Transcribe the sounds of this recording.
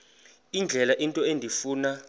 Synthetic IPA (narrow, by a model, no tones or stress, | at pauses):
ind͡ɮʱɛlaʔintʼɔendʱifuːna